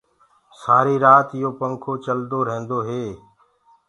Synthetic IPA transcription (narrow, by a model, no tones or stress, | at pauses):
saːɾiːɾaːt̪ɪjoːpəŋkʰoːt͡ʃəld̪oːɾẽːnd̪oːɦeː